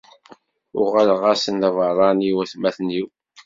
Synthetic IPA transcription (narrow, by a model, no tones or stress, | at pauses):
ʊʁælʁasənðvərˤɑniwæθmæθniw